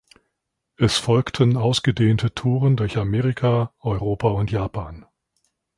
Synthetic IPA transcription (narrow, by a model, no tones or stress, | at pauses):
ʔɛsfɔlktʰənaʊsɡ̥ədeːntʰətʰuːʁəndʊɐçameːʁikʰaʔɔʏʁoːpaʊntjaːpʰaːn